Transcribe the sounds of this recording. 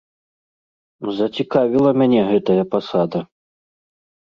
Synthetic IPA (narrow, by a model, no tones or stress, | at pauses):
zɐt͡sʲikavʲilˠɐmʲanʲɛɣɛt̪ɐjɐpasad̪ɐ